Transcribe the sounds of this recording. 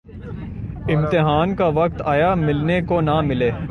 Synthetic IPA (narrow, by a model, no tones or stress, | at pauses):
ɪ̃mt̪ɪɦaːnkaʋɐk̚t̪aːjamɪlnekonamɪleː